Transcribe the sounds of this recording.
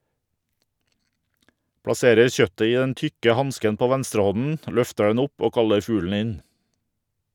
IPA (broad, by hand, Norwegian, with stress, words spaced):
pɽɑˈseːɾəɾ ˈçœtə ˈiː ˈdɛn ˈtʏkə ˈhɑnskən ˈpoː ˈʋɛnstɾəˌhɔnn̩ ˈlœftə ˈdɛn ˈʊp ˈoː ˈkɑləɾ ˈfʉːlɳ̩ ˈɪn